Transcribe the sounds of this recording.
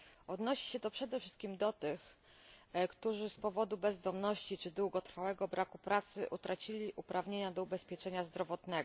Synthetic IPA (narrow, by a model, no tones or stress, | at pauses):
ɔd̪nɔɕi̥ɕɛt̪ɔpʂɛd̪ɛfʂɘ̥st̪kʲimd̪ɔt̪ɘx | kt̪uʐɘspɔvɔd̪ubɛzd̪ɔmnɔɕt͡ɕit͡ʂɘd̪wuɡɔt̪ɾfawɛɡɔbɾʔakupɾat̪sɘ̰ʔut̪ɾat͡ɕilʲiʔupɾavɲeɲad̪ɔubɛspʲjɛt͡ʂɛɲazd̪ɾɔvɔt̪nɛɡɔ